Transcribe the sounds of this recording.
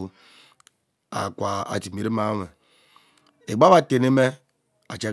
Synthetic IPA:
a̰˨kʷa˨a̰˨ti˨me˨ɾe˦ma˦me˨ | e˨ɡ͡ba˦βa˦te˨ne˦me˦ | a˨t͡ʃe˦

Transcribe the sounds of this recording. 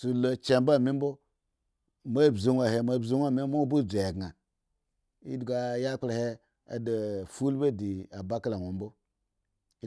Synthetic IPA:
su˨lo˨t͡ʃe˦mba˦˨mi˦m˦bo˦ | mo˦˨bzu˦nʷa˨he˨ma˦˨bzu˦nʷ˦a˦˨mi˦mo˦bu˦˨d͡zʷe˨e˨ɡa˨ | ḭ˦dɡa˨ja˦k͡pla˨he˦ | a̰˨de˨fu˦lbe˦˨di˨a˨ba˦ka˦la˨ŋʷo˨mbo˦

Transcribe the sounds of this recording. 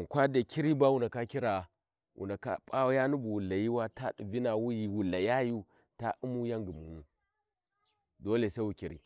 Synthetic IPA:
kʷa˦da˨kʰi˦ɾi˦ba˦wu˦˨na˨ka˦ki˦ɾa˨ | wʔṵ˨na˨ka̰˦pʼa˦wja˦nu˦bu˨wu˨lːa˨ji˦wa˦ta˦ɗu˨vi˦na˨wu˦ji˨wu˨lːa˨ja˦ju˦ | ta˦ʔu˦mu˦ja˦ŋɡi˨mu˨nu˦ | do˦le˨sa˦wu˨ki˨ɾḭ˨

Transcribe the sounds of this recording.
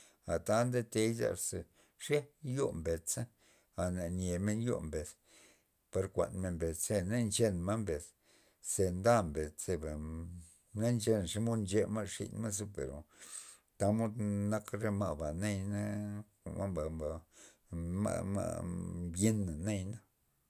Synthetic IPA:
a˨t̪a˦nd̪e˦t̪e˧jza̰˧ɾse˨ | ʂe˦jo˦mbe˨t͡sa˦ | a˨na˨nʲe˨me˧˦njo̰˦mbe˨s | pa˧ɾkʷa̰˨nme˧˨mbe˨se˦ne˦nt͡ʃe˦nma˦mbe˨s | se˧nd̪a˦mbe˨t͡st͡se˧ba˨ | na˦nt͡ʃe˧n˨ʂe˦mo˦nd͡ʒe˦ma˦ʂḭ˧nma˦s̬u˦pḛ˨ɾo̰˨ | t̪a˧mo˦d̪na˦kɾe˦ma˧ʔba˨ne˦jna̰˦˨ | ma̰˦mba˨mba˨ | ma̰˧ma̰˧bje˦nːa˨ne˦jna˦

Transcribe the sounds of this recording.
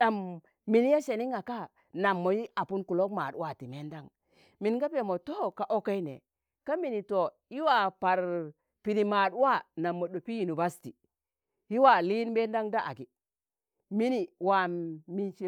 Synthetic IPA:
ɗa˨mː | i˨n˦ja˦ʃe˨ni˦ŋa˨ka˦ | na˨mːo˨ji˦a˨pu˦nku˨lo˦kma˨dwa˦˨ti˨me˦nda˦ŋ | mi˨nɡa˦pe˨mo˨to˦ka˨ʔo˦ka˦i˦nḛ˨ | ka˦mi˨ni˨to˨ | i˦wa˨pa˨ɾ | pi˨ni˨ma˨dwa˦na˨mːo˨ɗo˨pi˦ji˨nu˨ba˦sti˨ | hi˦wa˨li˦nbe˦nda˦ŋda˦ʔa̰˨ɡi˨ | mi˦ni˨wa˨mi˨ʃe˨

